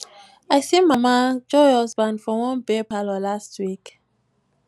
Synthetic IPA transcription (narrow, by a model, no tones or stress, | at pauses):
ajsĩnmamad͡ʒɔhɔzbãndfɔwɔ̃nbepalɔlastʰwik